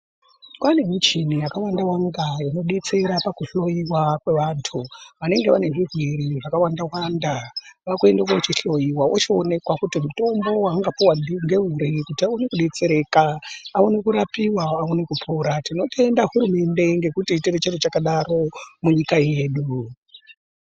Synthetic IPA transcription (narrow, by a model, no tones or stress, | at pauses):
kwane̞mit͡ʃinijakawandawaŋɡajino̞ɗe̞t͡se̞ɾapakuɬo̞jiwakwe̞ʋaːntʰuʋane̞ŋɡe̞ʋane̞ʐirwiɾiʐakawandawandaʋakue̞ndekwaut͡ʃiɬo̞jiwaʔot͡ʃione̞kwakutimuto̞mbo̞waːŋɡapuwadiŋɡe̞ɦuɾikutiaonekuɗe̞t͡se̞ɾe̞kaːonekuɾapiwaaonekupʰuɾatino̞te̞ndaɦuɾume̞nde̞ŋɡe̞kutitiret͡ʃerot͡ʃakaɗaɾo̞muɲikaje̞ːɗu